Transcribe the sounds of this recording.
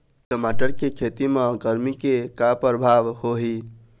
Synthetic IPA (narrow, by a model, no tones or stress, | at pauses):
kəmaʈəɾkekʰet̪imẽɡəɾmikekapɾəbʱaʋhoɦi